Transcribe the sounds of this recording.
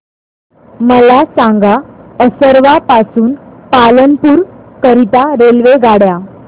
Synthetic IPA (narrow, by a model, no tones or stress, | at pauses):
məlasãŋɡaəsəɾʋapasuːnpalənpuːɾkəɾit̪aɾelʋeɡaɽja